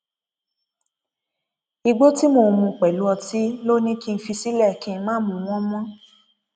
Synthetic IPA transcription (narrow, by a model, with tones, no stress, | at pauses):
i˧ɡ͡bo˦ti˦mo˧˨mũ˧˨k͡pɛ˨lu˨˦ɔ˧ti˦lo˦nĩ˦ki˦˧n̩˧fi˧si˦lɛ˦˨kĩ˦n̩˧mãː˦mõ˧w̃ɔ̃˦mɔ̃˦